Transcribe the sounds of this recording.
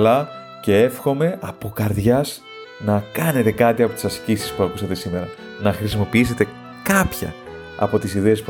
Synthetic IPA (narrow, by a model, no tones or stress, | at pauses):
lɐ | ce̞e̞fxo̞me̞ɐpo̞kɐɾðʝɐs | nɐkɐne̞t̪e̞kɐt̪iɐpo̞t̪isɐscisispuɐkusɐt̪e̞sime̞ɾɐ | nɐxɾisimo̞piise̞t̪e̞ | kɐpçɐ̰ | ɐ̰po̞t̪isiðe̞ːsp